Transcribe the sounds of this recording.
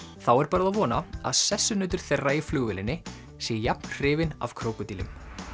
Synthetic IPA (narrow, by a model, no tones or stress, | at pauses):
θawɛɾpaɾaðavɔːnaa̰ðsɛsːʏnʏːt̪ʏɾ̥θɛraːjɪflʏːɣvɪlɪnːɪ | sɛːjjapnr̥ɪːvɪna̰v̥kʰɾoːwkʏt̪iːlʏ̰m